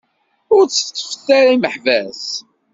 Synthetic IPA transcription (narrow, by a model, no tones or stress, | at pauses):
ʊɾt͡sːə̥t͡sːə̥fə̥θaɾaiməħvæs